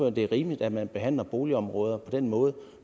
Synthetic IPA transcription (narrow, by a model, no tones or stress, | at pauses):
øɐ̰nd̥e̝æʁiːmlid̥æ̥mænb̥e̝ɦæn̰lɐb̥o̝ːliɒ̽mʁɔ̽ːð̞ˠɐpʰɒ̽d̥enmɔ̽ːð̞̩ˠ